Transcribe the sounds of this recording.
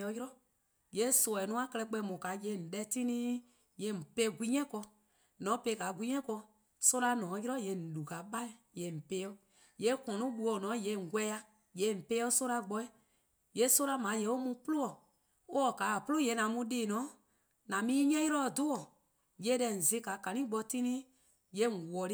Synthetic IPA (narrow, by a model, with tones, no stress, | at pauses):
ɔ˨˧ji˦ɾɔ˦ | je˨˦sɔ˨ɛ˨nũ˦a˦kɛ˧lɛ˧˦k͡pɛ˧˦mũ˨ka˨je˧˦˨n̩˨ɗɛ˧˦tĩ˦nĩ˦ | je˧˦˨m̩˨pe˧˦ɡʷi˦ɲɛ̃˦kɔ˧ | nɔ̃˨˦pe˧˦˨ka˨ɡʷi˦ɲɛ̃˦kɔ˧ | so˦ɾa˧nɔ̃ː˨˦ji˦ɾɔ˦je˧˨n̩˨lu˨ka˨ɓã˦˨je˨m̩˨pe˧˦ɔ˦ | je˨˦kɔ̃˨nũ˦ɓu˧ɔ˨nɔ̃˨˦je˧˨ŋ̩˨ɡʷɛ˦a˧ | je˨˦˨m̩˨pe˧˦o˦so˦ɾa˧ɡ͡bɔ˧i˦ | je˦so˦ɾa˧mã˨˦je˧˦o˦mũ˧plo˦ɔ˨ | o˦ɔ˨ka˨˦˨pu˦lo˦˨je˨˧˦nã˨mũ˧ɗeː˨nɔ̃˨˦ | nã˨mĩ˦ɲɛ̃˦ji˦ɾɔ˦˨do˦ɔ˨ | je˧˦dɛ˧˨n̩˨zi˧˦ka˨kã˨nĩ˦ɡ͡bɔ˧ti˦nĩ˦ | je˧˦˨ŋ̩˨wɔ˨ɾi˦